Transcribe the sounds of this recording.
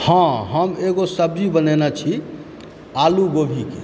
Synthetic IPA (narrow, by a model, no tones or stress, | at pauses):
hãɦəmeɡosəb̚d͡ʒibənenat͡ʃʰi | aluɡobʱike